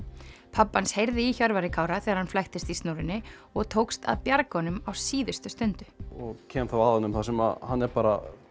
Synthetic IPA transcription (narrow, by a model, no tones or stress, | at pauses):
pʰapːanshejɾðɪiçœɾvaɾɪkʰaːwɾaθɛːɣaɾ̥hanflajxt̪ɪst̪ist̪noːwɾɪnːɪ | ɔɣt̪ʰoːwkst̪a̰ðpjaɾkɔnʏmawsiːðʏst̪ʏst̪ʏnt̪ʏ̥ɔɣcʰɛːmθawaːðanːʏmθasɛmaðhanːɛɾpaːɾa̰